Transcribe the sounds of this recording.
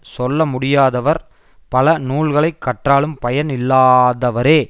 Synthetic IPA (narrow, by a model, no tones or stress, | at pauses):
sɔlːɐmʊɽɪjaːðɐʋɐɾ | pɐlɐnuːlɣɐɭɐɪkːɐʈraːlɯmpɐjɐnɪlːaːðɐʋɐɾeː